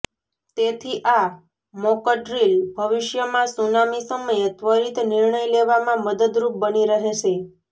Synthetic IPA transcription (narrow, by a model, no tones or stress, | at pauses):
t̪et̪ʰiʔa | mɔkəʈɾilbʱəʋɪʃjəmãsunamisəməjet̪ʋəɾit̪nɪɾɳəjleʋamãməd̪əd̪ɾup̚bəniɾəɦet͡ʃʰe